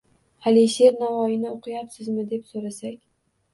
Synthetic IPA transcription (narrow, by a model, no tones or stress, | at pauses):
haliʃe̞ɾnavɒjɪnɪoqʰɨjapsɪzmɪd̪e̞psoɾasakʲ